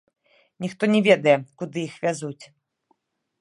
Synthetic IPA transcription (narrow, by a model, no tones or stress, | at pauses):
nʲixt̪ɔnʲɛvʲɛd̪ɐjɛkud̪ɨjixvʲazut͡sʲ